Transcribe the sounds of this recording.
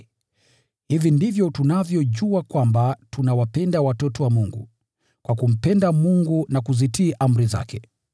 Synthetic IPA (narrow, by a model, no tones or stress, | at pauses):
hivindivjɔtunavjɔʄuakwambatunawapɛndawatɔtɔwamuŋɡṵ | kwakum̩pɛndamuŋɡunakuzitiːʔam̩ɾiza̰kɛ